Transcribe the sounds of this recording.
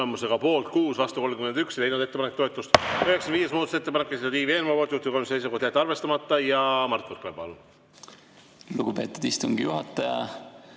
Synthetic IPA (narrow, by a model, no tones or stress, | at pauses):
emuseɡ̥ɑpo̞ːlt̪̚kuːsvɑst̪uko̞lmkyme̞nd̪yksjle̞jnud̪e̞t̪ːepɑnekt̪ːoet̪ːˑust̪ø̞he̞kseɑnviːje̞smoːd̪set̪ːe̞pɑnekːesit̪od̪iːvieːnvɑport̪juht̪ːuko̞msejs̬ukoh̪d̪æt̪ːɑrve̞st̪ɑmɑt̪ːˑɑjɑmɑrt̪ˑvorklepo̰l | luɡ̥ube̞ːt̪ːˑud̪ist̪uŋɡ̥ijuɦɑt̪ːˑɑjɑ̰